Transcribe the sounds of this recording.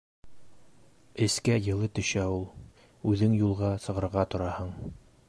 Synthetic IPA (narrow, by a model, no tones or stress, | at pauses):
ɘ̆skæjɤ̆lˠɤt̪ɵ̆ʃæulˠ | ʉðɘŋjulˠʁɑsɤ̆ʁɤ̆ɾʁɑt̪ŏɾɑhɤɴ